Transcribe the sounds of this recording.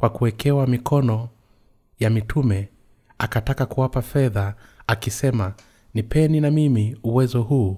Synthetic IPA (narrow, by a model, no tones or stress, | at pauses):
kwakuɛkɛwamikʰɔnɔ | jamitʰumɛ | akatakakuwapafɛða | akisɛma | nipʰɛninamimiuwɛzɔɦuː